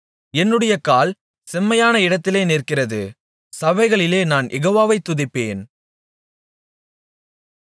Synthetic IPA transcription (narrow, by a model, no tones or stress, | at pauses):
ɛnːɯɽɐjɐkaːl | sɛmːɐjaːnɐɪɽɐt̪ːɪleːneːrkɪrɐðɯ | sɐʋɐɪɣɐɭɪleːnaːnʔɛɣoːʋaːʋɐɪt̪ːʊðɪpːeːn